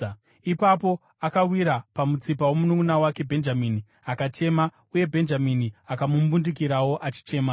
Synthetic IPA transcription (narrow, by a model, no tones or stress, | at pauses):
ipapo̞ | akawiɾapamut͡sipawo̞munumunawake̞bʱe̞nd͡ʒamini | akat͡ʃe̞ma | uje̞bʱe̞nd͡ʒaminiakamumbundik̬iɾawo̞ʔat͡ʃi̥t͡ʃe̞ːma